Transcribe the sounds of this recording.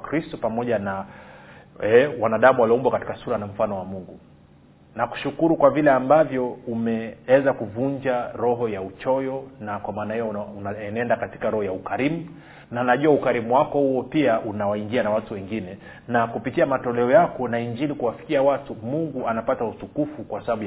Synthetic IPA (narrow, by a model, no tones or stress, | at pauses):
kɾistɔpamɔʄana | ɛwanaɗamuwalɔmbwakati̥kasuɾanam̩fanɔwamuŋɡu | naku̥ʃukuɾukwavilɛambavjɔumɛwɛzakuvuɲd͡ʒaɾɔɦɔjaut͡ʃɔjɔnakwamaːnahɛjɔnɛndakati̥kaɾɔhɔjaukaɾimu | nanaʄuaukaɾimuwakɔhuwɔpiaʔunawaiŋɡianawatuwɛŋɡinɛ | nakupitiamatɔlɛɔjakɔnaiɲd͡ʒilikuwafi̥kiawatumuŋɡuanapatautukufukwasaɓaɓuj